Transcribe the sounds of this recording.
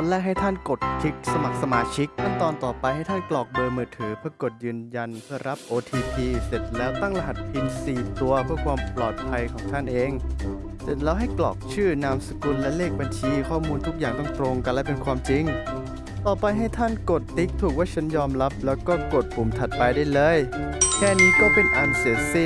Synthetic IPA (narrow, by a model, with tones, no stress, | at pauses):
lɛː˥˩k̚ha˥˩jt̪ʰa˥˩nko˨˩t̪̚kʰi˦˥k̚sa˧ma˨˩k̚sa˧maː˧t͡ɕʰi˦˥k̚t̪ʰa˥˩nt̪ɔː˧nt̪ɔː˨˩pa˧jha˥˩jt̪ʰa˥˩nklɔː˨˩k̚dɤː˧mɯː˨˩t̪ʰːɯː˩˦pʰɯ˥˩ɐko˨˩t̪̚jɯː˧nja˧npʰɯ˥˩ɐɾa˦˥p̚ʔoː˧t̪ʰiː˧pʰiː˧se˨˩t̪̚lɛː˦˥wt̪a˥˩ŋɾa˧ɦa˨˩t̪̚pʰi˧nsiː˨˩t̪u˧ɐpʰɯ˥˩ɐkʰwaː˧mplɔ̰ː˨˩t̪̚pʰa˧jkʰɔː˩˦ŋt̪ʰa˥˩nʔeː˧ŋ | se˨˩t̪̚lɛː˦˥wɦa˥˩jklɔ̰ː˨˩k̚t͡ɕʰɯː˥˩naː˧msḁ˧ku˧nlɛ˦˥leː˥˩k̚ba˧nt͡ɕʰiː˧kʰɔː˥˩muː˧nt̪ʰu˦˥k̚jaː˨˩ŋt̪ɔː˥˩ŋt̪ɾo˧ŋka˧lɛ˦˥˩pe˧nkʰwaː˧mt͡ɕi˧ŋ | t̪ɔː˨˩pa˧jɦa˥˩jt̪ʰa˥˩nko˨˩t̪ːi˦˥k̚t̪ʰuː˨˩k̚waː˥˩t͡ɕʰa˦˥njɔː˧mɾa˦˥p̚lɛː˦˥wkɔː˥˩ko˨˩t̪̚pʰu˨˩˦mt̪ʰa˨˩t̪̚pa˧jdaː˥˩jlɤː˧˥˩jkʰɛː˥˩niː˦˥kɔː˥˩pe˧nʔa˧nse˩˦si˥˩